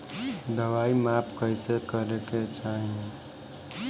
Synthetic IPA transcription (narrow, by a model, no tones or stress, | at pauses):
d̪əʋaimapʰkəjsekəɾeket͡ʃʰaɦĩ